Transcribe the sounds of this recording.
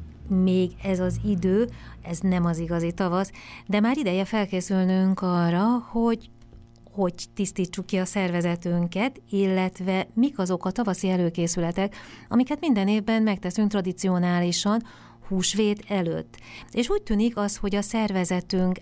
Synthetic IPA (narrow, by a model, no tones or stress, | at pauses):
meːɡɛzɒzid̪øː | ɛznɛmɒziɡɒzit̪ɒvɒsd̪ɛmaːɾid̪ɛjɛfɛlkeːsylnyŋkɒrːɒho̞ɟ | ho̞ɟt̪ist̪iːt͡ʃːukːiɒsɛrvɛzɛt̪yŋkɛt̪ilːɛt̪vɛmikɒzo̞kɒt̪ɒvɒsiɛløːkeːsylɛt̪ɛkɒ̰mikɛt̪mind̪ɛneːvbɛnmɛk̚t̪ɛsyŋkt̪rɒd̪it̪sio̞naːliʃɒn | huːʃʋeːt̪ɛlø̰t̪ːeːʃuːc̚t̪yːnikɒst̪ho̞ɟɒsɛrvɛzɛt̪yŋk